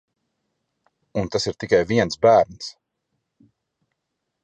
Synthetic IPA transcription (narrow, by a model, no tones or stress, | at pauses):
unt̪asiɾt̪ikajviɛnsbæːɾns